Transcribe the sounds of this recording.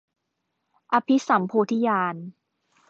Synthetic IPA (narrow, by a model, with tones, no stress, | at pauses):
ʔa˧pʰi˦˥sa˩˦mpʰuː˧t̪ʰi˦˥jaː˧n